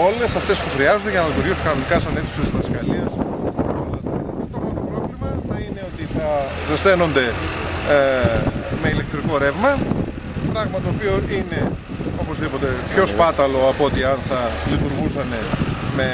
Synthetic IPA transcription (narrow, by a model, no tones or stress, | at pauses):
o̞le̞sɐft̪e̞spuxɾiɐzond̪eʝɐnɐlit̪uɾʝisukɐno̞nikɐsɐneθu̥sesðɐskɐliɐsolɐt̪ɐɐtɐt̪okot̪opɾo̞vlimɐθɐine̞o̞t̪iθɐ | zɐst̪e̞no̞nd̪e̞ | me̞ile̞k̚t̪ɾiko̞ɾevmɐ | pɾɐɣmɐt̪oːpioʔine̞ | o̞po̞zðipo̞t̪e̞pço̞spɐt̪ɐlo̞ɐpoot̪iɐnθɐlit̪uɾɣusɐne̞me̞